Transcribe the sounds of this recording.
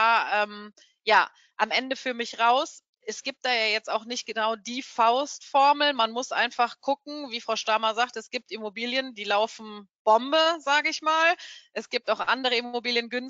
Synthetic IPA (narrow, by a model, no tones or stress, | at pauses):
ʔɛːm | jaː | ʔamʔɛndəfyːɐmɪçʁaʊs | ʔɛsɡ̥iːp̚t̚d̥aːjaːjɛt͡staʊxnɪçt̚ɡ̥ənaʊdiːfaʊstfɔɐml̩manmʊsʔa̰ɪnfaχɡ̥ʊk̚ŋ̩viːfʁ̥aʊʃtaɐmɐzaːktəɛsɡ̥iːp̚timobiːljəndiːlaʊfn̩b̥ɔmbəzaːɡəɪçmaːlʔɛsɡ̥iːp̚taʊxʔandəʁəimobiːljənɡʏn